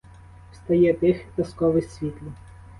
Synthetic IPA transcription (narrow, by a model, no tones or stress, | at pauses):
wst̪ɐjɛt̪ɪxt̪ɐskɔʋɪsʲʋʲit̪ʲlʲʊ